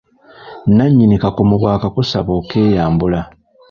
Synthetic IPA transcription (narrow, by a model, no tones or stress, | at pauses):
naɲːinikakomuβwaːkakusaβo̞ːke̞ːjaːmbula